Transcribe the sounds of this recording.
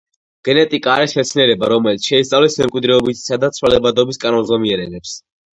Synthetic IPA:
ɡ̥ɛnɛt̪ʼikʼaːɾɛsχɛt̪sʰnɛɾɛbaɾɔmɛlit̪sʃɛist̪ʼavlɛsmɛmkʼwid̪ɾɛɔbit̪ʰsad̪at̪sʰwalɛbad̪ɔbiskʼanɔnzɔmiɛɾɛnɛps

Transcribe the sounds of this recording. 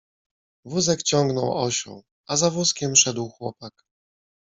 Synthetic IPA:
vuzɛkt͡ɕɔŋɡnɔwɔɕɔ̰̃w̃ | azavuskʲɛmʂɛd̪wxwɔpak

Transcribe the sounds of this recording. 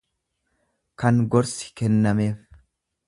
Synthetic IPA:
kɐŋɡɔɾsɪ̥kɛnːɐme̞ːf

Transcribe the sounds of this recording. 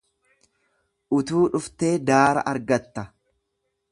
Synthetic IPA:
ʔʊt̪uːᶑʊft̪e̞ːd̪aːɾɐ̰ʔɐɾɡɐt̪ːɐ

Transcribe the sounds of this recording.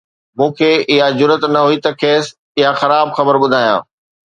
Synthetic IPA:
mũːkʰeːɪɦad͡ʑʊɾət̪nɐɦuit̪ɐkʰeːs | ɪɦaxɐɾaːbxɐbəɾɓʊd̪ʱaːjã̰ː

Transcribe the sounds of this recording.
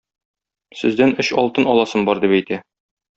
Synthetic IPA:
sɘ̆zd̪ænɵɕɒlˠt̪ɤnɒlˠɑsɤmbɒɾd̪ipæjt̪æ

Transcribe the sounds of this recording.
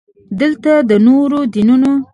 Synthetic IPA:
d̪əlt̪ad̪ənoɾod̪inuno

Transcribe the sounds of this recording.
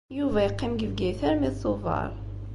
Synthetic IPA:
juvæjqːimɡəvɡæθæɾmiðsˤuvɑ̰ɾˤ

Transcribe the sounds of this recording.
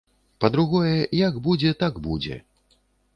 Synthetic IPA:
pɐd̪ɾuɣɔjɛjɐɡbud͡zʲɛt̪aɡbud͡zʲɛ̰

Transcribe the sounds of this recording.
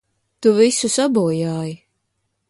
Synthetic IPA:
t̪uvisusabuːjaːji

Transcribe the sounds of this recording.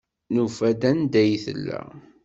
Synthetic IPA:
nufæd̪ænd̪æjθə̰lːæ̰

